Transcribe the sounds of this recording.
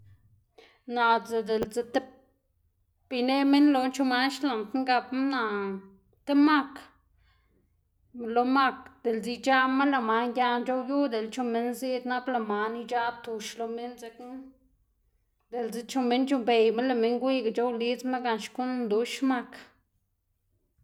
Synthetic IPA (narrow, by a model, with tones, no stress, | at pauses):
na˨ze˧d̪e˨lze˧t̪e˦ | b̥i˧ne˧me˦nlo˧nt͡ʃo˧ma˧nʃla˨nt̪ŋɡa˧pma˦na˨ | t̪e˦ma˦k | lo˧ma˦k̚d̪̥e˨lzi˧d͡ʒa˦ma˦la˧ma˧ŋɡʲja˧nd͡ʒo˦wju˦d̪e˨lt͡ʃo˧me˧nzi˦d̪na˦bla˧ma˨ni˧d͡ʒa˦b̚t̪u˧ʃlo˧me˦nze˧k | d̪e˨lze˧t͡ʃo˧me˧˦nt͡ʃo˧mbe˨jma˦la˧me˧˦ŋɡʷi˦ɡt͡ʃo˦wli˦t͡sma˦ɡa˧nʃku˦nd̪u˧˦ʃma˦k